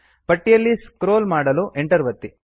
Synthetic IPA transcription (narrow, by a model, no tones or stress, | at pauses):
pɐʈːijɐlːiskɾoːlmaːɽɐluʔeɳʈɐɾʋɐt̪ːi